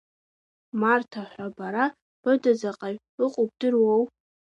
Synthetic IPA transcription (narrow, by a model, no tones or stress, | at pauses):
martʰaħʷabaɾa | b̥ɨdazaqʼaɥ | ɨqʼob̚dɨrwow